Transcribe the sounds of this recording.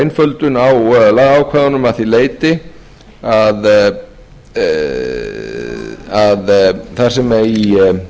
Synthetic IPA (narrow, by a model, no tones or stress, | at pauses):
jnfœlt̪ʏnawlaɣaːwkʰvɛðanʏmaθileːjt̪ɪ | að | aðθaɾ̥sɛmɛi